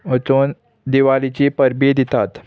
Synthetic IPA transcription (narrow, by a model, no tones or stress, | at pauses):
ət͡s̪on | d̪iʋalit͡ɕipəɾbed̪it̪at̪